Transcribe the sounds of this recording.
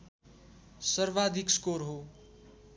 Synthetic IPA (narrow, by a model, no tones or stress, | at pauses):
sʌrʋad̪ʱikskoɾɦo